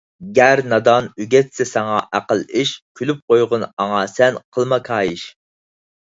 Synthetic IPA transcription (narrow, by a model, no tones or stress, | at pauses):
ɡʲæɾnɑd̪ɑnyɡʲɛt̪sɛsɑŋɑʔæqəlˠiʃkʲʰylyp̚qʰojʁʊnɑŋɑsɛnqʰəlˠmɑkʰɑːjiʃ